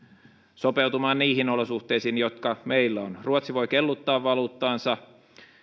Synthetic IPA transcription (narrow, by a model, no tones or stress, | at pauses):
sopewt̪umɑːnniːhinolosuht̪ˑeisiːnjot̪kɑmeilːæonruot̪siʋo̞jkelːut̪ːɑːʋːɑluːt̪ːɑːnsɑ